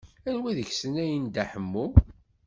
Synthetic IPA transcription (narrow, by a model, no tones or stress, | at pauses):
ænwæðəçsənæjənd̪æħəmːu